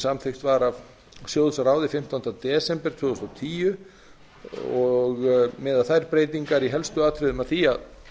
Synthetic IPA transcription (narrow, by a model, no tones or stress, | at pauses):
samθejxt̪vaɾav | sjowðsaɾaːwðɪfɪm̥t̪ant̪at̪ɛːsɛmpɛɾt̪vʏːʏst̪awt̪ʰiːjʏ | ɔɣmɛːðaðθajɾpɾeːjt̪iŋkaɾiɦɛlst̪ʏaːt̪ʰɾɪðʏmaðθiað